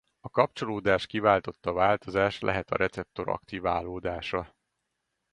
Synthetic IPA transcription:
ɒkɒp̚t͡ʃo̞loːd̪aːʃkivaːlt̪o̞t̪ːɒvaːlt̪o̞zaːʃlɛ̰ɦɛt̪ɒ̰ɾʔɛt̪sɛp̚t̪o̞ɾɒ̰kt̪ivaːlːoːd̪aːʃɒ

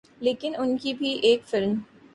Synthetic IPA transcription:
leːkɪnʊnkibʱiʔeːkfɪlm

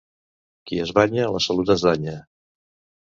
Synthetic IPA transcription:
kiəzβaɲələsəlut̪əzðaɲə

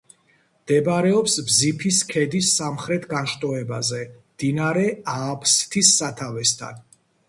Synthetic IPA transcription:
md̪̥ɛbɾɛɔpsbzipʰiskʰɛd̪isːamχɾɛt̪ʰɡanʃt̪ʼɔɛbazɛmd̪̥inaɾɛaːpʰst̪ʰisːat̪ʰavɛst̪ʰa̰n

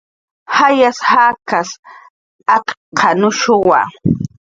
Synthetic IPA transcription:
hajashaːkas | akqʰɑnʊʃʊwa̰

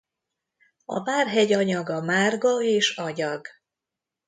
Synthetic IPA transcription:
ɒ̰baːrɦɛɟɒɲɒɡɒmaːrɡɒeːʃɒɲɒɡ

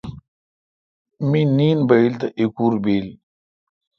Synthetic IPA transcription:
miniːnbɐilt̪ɐʔikuːɾbeːl

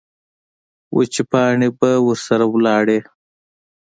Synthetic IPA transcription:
wʔo̰t͡ʃipɑːɳibɐwəɾsɐɾawlɑːɽeː

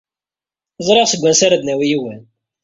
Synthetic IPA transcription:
zˤɾˤeʁsəɡʷːænsaɾad̪næwijiwæn

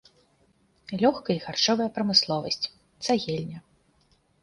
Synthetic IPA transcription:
lʲɔxkɐiɣart͡ʂɔvɐjɐpɾɐmɨslˠɔvɐsʲt͡sʲ | t̪saɣʲɛlʲnʲɐ

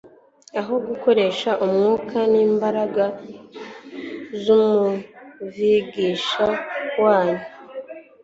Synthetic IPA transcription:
aɦo̞ɡuko̞ɾe̞ʃaʔumŋuːkʰaniːmbaɾaɡa | zumuviɡiːʃawaːna

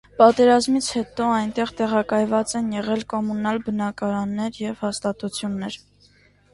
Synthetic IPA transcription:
pɑt̪ɛɾɑzmit͡sʰhɛt̪ɔɑjnt̪ɛʁt̪ɛʁɑkɑjvɑt͡sɛnjɛʁɛlkɔmunɑlbənɑkɑɾɑnːɛɾjɛv̥hɑst̪ɑt̪ut͡sʰjunːɛɾ

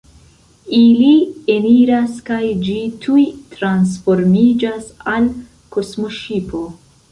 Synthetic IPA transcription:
ilie̞niɾaskajd͡ʒitʰujtɾansfo̞ɾmid͡ʒasal | ko̞smo̞ʃipʰo̞

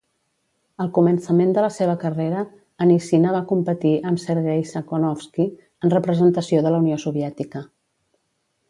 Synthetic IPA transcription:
əlˠkumənsəmend̪ələseβ̞əkəreɾəː | nisinəβ̞akumpət̪iʔəmsəɾɣejsəkonɔfski | ənrəpɾəzənt̪əsioðələuniosuβ̞iɛt̪ikə

